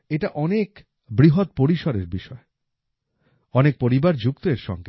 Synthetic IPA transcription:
eʈaʔɔnek | bɾiɦot̪̚poɾiʃoɾeɾbiʃɔe | ɔnek̚poɾibaɾd͡ʑukt̪oeɾʃɔ̰ŋɡe

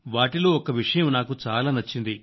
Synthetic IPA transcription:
ʋaːʈilo̞ːɔkɐʋiʂɐjɐmnaːkut͡ʃaːlaːnɐt͡ʃːind̪i

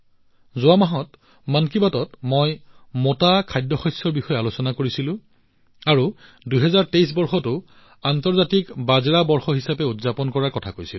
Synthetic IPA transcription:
zʊamaɦɔt | mankibatɔtmojmotakʰajdːɔxɔjsːɔɹbixɔjɛalosɔnakoɹisilʊ̃ | aɹu | duɦɛzaɹtejs̬bɔɹxɔtʊ | antɔɹzatikbazɹabɔɹxɔɦisapɛutzapɔnkɔɹaɹkɔtʰakojsil

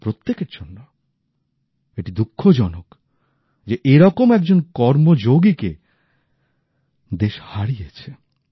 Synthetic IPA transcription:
pɾot̪ːekeɾd͡ʑonːa | eʈid̪ukʰːod͡ʑɔnok | d͡ʑeʔeɾɔkomɛk̚d͡ʑonkɔɾmod͡ʑoɡike | d̪eʃhaɾijet͡ɕʰe

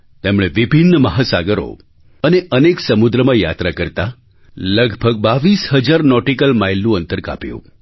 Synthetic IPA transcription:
t̪emɽ̃eʋibʱinːməɦasaɡəɾo̰ | əneʔəneksəmud̪ɾəmãja̰t̪ɾakəɾt̪a | ləɡʱbʱəɡ̚baʋisɦəd͡ʒaɾnɔʈikəlmajlːũənt̪əɾka̰pjṵ̃

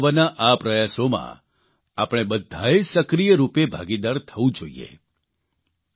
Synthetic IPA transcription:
ʋənaʔapɾəjasomã̰ | a̰pəɽ̃eɓəd̪ʱːaesəkɾijəɾupebʱa̰ɡid̪aɾt̪ʰəʋũd͡ʒoiḛ

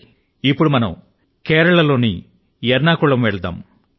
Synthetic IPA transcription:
ipːuɽumɐnɐm | kɛːɾɐɭɐlo̞ːnḭ | jɛɾnaːkuɭɐmʋɛɭɐd̪a̰ːm

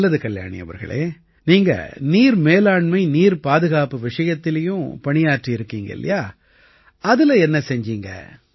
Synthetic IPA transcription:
lːɐðɯkɐlja̰ːɳɪ̰jɐ̰ʋɐ̰ɾɣɐ̰ɭḛː | niːŋɡɐ̰niːɾmeːlaːɳmɐɪniːɾpaːðɯɣaːpɯʋɪʂɐjɐt̪ːɪlɐjʊ̃pɐɳɪjaːʈriɪɾɯkːiːŋɡɐ̰ɪ̰lːɐ̰jaː | ɐðɯlɐɛnːɐsɛɲd͡ʒiːŋɡɐ̰

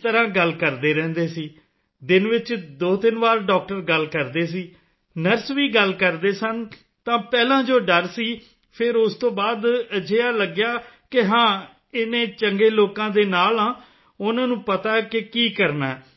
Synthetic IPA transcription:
t̪əɾãːɡəlkəɾd̪eːɾɛ̃ːnd̪eːsiː | d̪ɪnʋɪt͡ʃd̪oːt̪ɪnʋaːɾɖɔːk̚ʈəɾɡəlkəɾd̪eːs̬iː | nəɾsʋiːɡəlkəɾd̪eːsən | t̪ãːpɛːlãːd͡ʒoːɖəɾsiː | pʰɪɾʊst̪õːbaːd̪əd͡ʒeːaːləɡjaːkɪɦãː | ɪnẽːt͡ʃəŋɡeːloːkãːd̪eːnaːlãː | ʊnãːnũːpət̪aːkɪkiːkəɾnaː

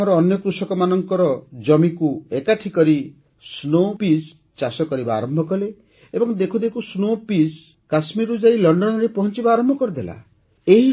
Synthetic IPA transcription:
ɔɾɔːnjɔkɾusɔkɔmanɔŋkɔɾɔd͡ʒɔmikuekaʈʰikɔɾi | snopis | t͡ʃasɔkɔɾibaaːɾɔmbʱɔkɔle | ebɔŋd̪ekʰud̪ekusnopis | kasmiɾud͡ʒailɔɳɖɔnɔɾepɔɦɔnt͡ʃibaaːɾɔmbʱɔkɔɾid̪ela̰ | eɦi

